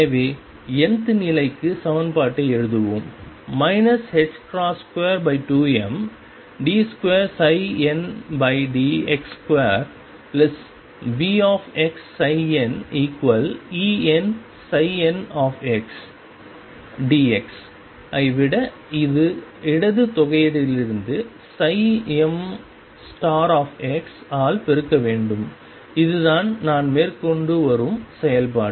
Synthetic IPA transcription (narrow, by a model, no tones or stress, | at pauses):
eʋeː | ɛnd̪ɯnɪlɐɪkːɯsɐʋɐnpaːʈːɐɛɻɯðɯʋɯmmɐɪnɐshɛd͡ʒkɾaːskʋeːɾbɐɪʈuːɛm | ɖiːskʋeːɾsɐɪɛnbɐɪɖiːɛkskʋeːɾ | plɛs | ʋiːaːfɛksɐɪɛniːkʋɐliːɛn | sɐɪɛnaːfɛks | ɖiːɛks | ʔɐɪʋɪɽɐ | ɪðɯɪɽɐðɯt̪ɔɣɐjɐðɪlɪɾɯnd̪ɯ | sɐɪɛm | sʈaːɾaːfɛksaːlpɛɾɯkːɐʋeːɳɖɯm | ɪðɯðaːnnaːnmeːɾkɔɳɖɯʋɐɾɯmsɛjɐlpaː